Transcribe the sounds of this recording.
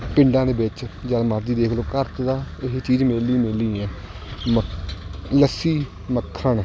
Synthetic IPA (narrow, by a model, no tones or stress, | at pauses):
pɪ̃ɳɖãːd̪eːbɪt͡ʃd͡ʒəːlməɾd͡ʒiːd̪eːkʰloːkəɾt̪d̪aːɪɦeːt͡ʃiːd͡ʒmeːlimeːliːɛ̃ː | mə | ləsiː | məkʰːəɳ